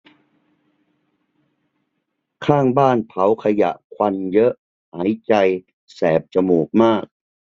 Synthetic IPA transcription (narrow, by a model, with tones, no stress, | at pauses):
kʰaː˥˩ŋbaː˥˩npʰa˩˦wkʰa˧ja̰˨˩ʔkʰwa˧njɤ˦˥ʔ | haː˩˦˥jt͡ɕa˧j | sɛː˨˩p̚t͡ɕa˧muː˨˩k̚maː˥˩k̚